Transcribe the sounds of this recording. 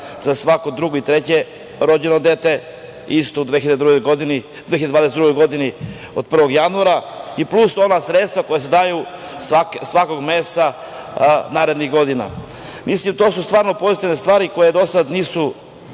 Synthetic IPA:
zasʋakod̪ɾuɡoit̪ɾet͡ɕe̞ | ɾo̞d͡ʑeno̞d̪e̞t̪e̞ | ist̪oud̪ʋeçiad̪ed̪ɾuɡojɡod̪ini | d̪veçiad̪aːd̪esed̪ɾuɡo̞jɡo̞d̪ini | o̰d̪̚pr̩ʋo̞ɡjanuaɾaiplˠuso̞nasɾet̪st̪vako̞jesed̪aju | sʋakesʋako̞ɡmeːst̪a | naːɾed̪niɣɡo̞d̪ina̰ | mislimt̪o̞sust̪vʋaːɾno̞po̞zit̪ivne̞st̪ʋaːɾiko̞jed̪o̞sad̪niːsu

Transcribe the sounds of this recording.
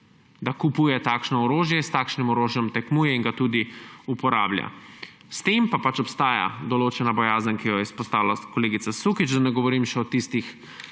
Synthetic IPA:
d̪akupuːjɛt̪aːkʃnɔɔɾoːʒjɛst̪aːkʃnimɔɾoːʒjɔmt̪ɛkmuːjɛiŋɡat̪uːd̪iupɔɾa̰ːblja̰ | st̪empapat͡ʃɔpst̪aːja̰d̪ɔloːt͡ʃɛnabɔjaːzənkijɔjɛspɔst̪aːwlakɔleːɡit̪sasukit͡ʃd̪anɛɡɔʋɔɾiːmʃɛɔt̪ist̪ix

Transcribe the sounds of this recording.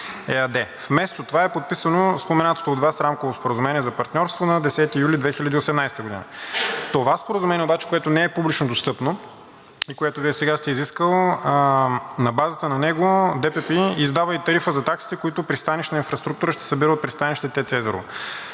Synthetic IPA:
ɛɐd̪ɛfmɛst̪ot̪ovaɛpot̪̚pisənospomɛnat̪o̥t̪oːd̪vasɾamkovospoɾəzumɛniɛzɐpɐɾt̪nʲɔɾst̪vonɐd̪ɛsɛt̪iːjulʲid̪vɛxilʲɐd̪iosɛmnajst̪əɡod̪ḭnə̰t̪ovaspoɾəzumɛniɛobat͡ʃɛ̥koɛt̪ʊnɛɛpublʲit͡ʃnod̪ost̪ɤpno | ikoɛt̪ʊviɛsɛɡast̪ɛiziskəlˠ | nɐbazət̪ənɐnɛɡod̪ɛpɛpiizd̪avəit̪ɐɾifəzɐt̪aksi̥t̪ɛkoit̪ʊpɾist̪aniʃt̪nəinfɾɐst̪ɾukt̪uɾəʃt̪ɛ̥sɐbiɾəot̪̚pɾist̪aniʃt̪ɛt̪ɛt̪ɛzɛɾo̰

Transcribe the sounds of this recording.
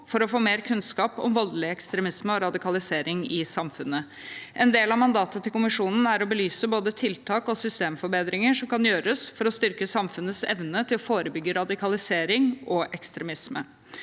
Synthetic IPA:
fɔɾɔfoːmeːɾkʰʉnskɑːpɔ̰mʋɔld̪lɪɛkst̪ɾɛmɪsməɔɾɑd̪ɪkɑlɪseːɾɪŋɪsɑmfʉnːə | ʔɛnd̪eːlɑʋmɑnd̪ɑːt̪ət̪ʰɪlkʊmɪʂuːnn̩æɾɔbəlyːsəboːd̪ət̪ʰɪlt̪ʰɑːkɔsʏst̪eːmfɔɾbeːd̪ɾɪŋəʂɔmkʰɑnjøːɾəsfɔɾɔst̪ʏɾkəsɑmfʉnːəsɛ̰ʋnət̪ʰɪlɔfoːɾəbʏɡːəɾɑd̪ɪkʰɑlɪseːɾɪŋɔʔɛkst̪ɾɛmɪsmə̰

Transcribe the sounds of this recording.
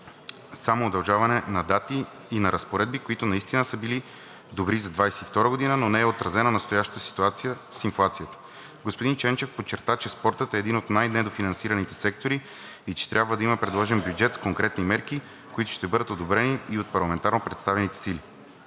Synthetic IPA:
samoːd̪ɐlˠʒavɐnɛnɐd̪at̪iː | nɐɾɐspoɾɛd̪̚bikoit̪ʊnɐist̪inəsəbili | d̪obɾizɐd̪vajsɛift̪ɔɾəɡod̪inənonɛːot̪ɾɐzɛnɐnɐst̪ojaʃt̪ə̥t̪əsi̥t̪uat̪sijə | sinflˠat̪sijət̪ə̥ | ɡospod̪int͡ʃɛnt͡ʃɛfpot͡ʃːɛɾt̪at͡ʃɛspɔɾt̪ət̪ɛːd̪inot̪najnɛd̪ofinɐnsiɾɐnit̪ɛsɛk̚t̪oɾi | it͡ʃɛ̥t̪ɾʲʔabvəd̪ɐimɐpɾɛd̪lˠɔʒɛmbjud͡ʒɛt̪skoŋkɾɛt̪nimɛɾki | koit̪ʊ̥ʃt̪ɛbɤd̪ət̪od̪obɾɛniːot̪̚pɐɾlˠɐmɛnt̪aɾnopɾɛt̪st̪avɛnit̪ɛ̥sili

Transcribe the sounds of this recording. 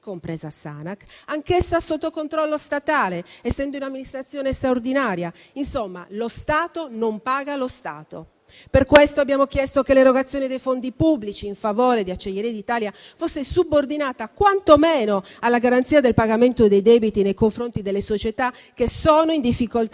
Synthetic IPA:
kompɾɛːzasa̰nakaŋkesːasot̪ːokont̪ɾɔlːost̪at̪aːleɛsːɛnd̪ounamːinist̪ɾat̪sːjɔːnest̪ɾaord̪inaːɾja | insomːa̰lost̪aːt̪onompaːɡalost̪a̰ːt̪o̰ | perkwest̪oabːjaːmok̟jɛst̪okeleɾoɡat̪sːjoːnid̪ejfond̪ipubːlit͡ʃiːɱfavoːɾed̪iat͡ʃːeʎːeɾiad̪it̪aːlja | fosːesubord̪inaːt̪akwant̪omɛːnoalːaɡaɾant̪siːad̪elpaɡament̪od̪ejd̪ɛbit̪inejkoɱfɾont̪id̪elːesot͡ʃet̪a | kːesoːnoind̪ifːikolt̪

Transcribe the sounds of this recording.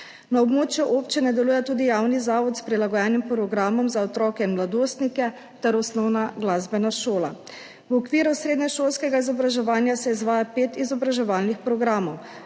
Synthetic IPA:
naɔbmoːt͡ʃjuʔoːpt͡ʃinɛd̪ɛluːjɛt̪uːd̪ijaːwnizaːʋɔt̪spɾilaɡɔjɛnimpɾɔɡɾaːmɔmzaɔt̪ɾɔːkɛinmlad̪oːst̪nikɛ | t̪ɛɾɔsnɔwnaɡlazbɛnaʃoːla̰ | wɔkʋiːɾusɾeːd̪nɛʃoːlskɛɡaizɔbɾaʒɛʋaːnjasɛizʋaːjapeːt̪izɔbɾaʒɛʋaːlnixpɾɔɡɾaːmɔw

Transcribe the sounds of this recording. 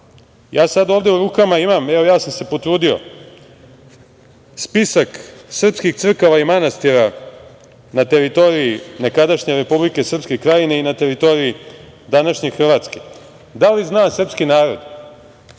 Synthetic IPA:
jʔaːsad̪ovd̪e̞uɾuːkamaimameʋo̞jaːsamse̞po̞t̪ɾuːd̪io̞̰ | spisaksr̩pskixt̪sr̩koʋaimanast̪iɾa | nat̪e̞ɾit̪o̞ɾiine̞kad̪aʃɲe̞ɾe̞publike̞sr̩pskekɾajineinat̪e̞ɾit̪o̞ɾii | d̪anaʃɲe̞xr̩ʋat̪ske̞ | d̪aliznaːsr̩pskinaːɾo̞d̪

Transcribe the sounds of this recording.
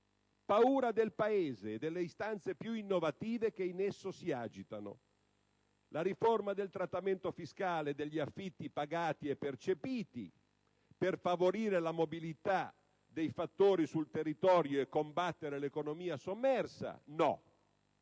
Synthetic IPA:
pauːɾad̪elpaeːzeːd̪elːeist̪ant̪sepjuinːovat̪iːvek̟einesːosiaːd͡ʒit̪ano̰ | laɾiformad̪elt̪ɾat̪ːament̪ofiskaːled̪eʎːiafːit̪ːipaɡaːt̪iɛpːert͡ʃepiːt̪ḭ | perfavoɾiːɾelamobilit̪a | d̪ejfat̪ːoːɾisult̪erːit̪ɔːɾjoekːombat̪ːeɾelekonomiːasomːɛrsa̰nɔ

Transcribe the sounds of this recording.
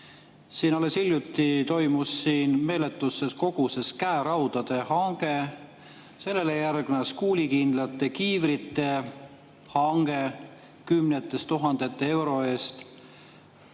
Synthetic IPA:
siːnɑlesilʲjut̪ːit̪o̞jmusːiːnme̞ːle̞t̪ːˑusːe̞sko̞ɡ̥use̞skæeɾɑwd̪̥ɑd̪̥e̞hɑŋɡe̞ | se̞lːe̞lejærɡ̥nɑskuːlʲikind̪̥lɑt̪ːˑe̞kiːvɾit̪ːˑe̞ | hɑŋɡ̥e̞ | kymnet̪ːˑest̪uɦɑnd̪̥e̞t̪ːee̞wɾo̞e̞ːst̪

